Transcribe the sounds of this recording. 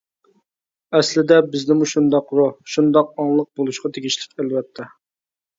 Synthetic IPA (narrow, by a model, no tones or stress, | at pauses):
ɛslɪd̪ɛbɪznɪmuʃund̪ɑqɾoʃund̪ɑq̚ɑŋlˠəq̚bolˠuʃqɑt̪ʰeɡʲiʃlɪ̥kʲælwɛt̪ʰːɛ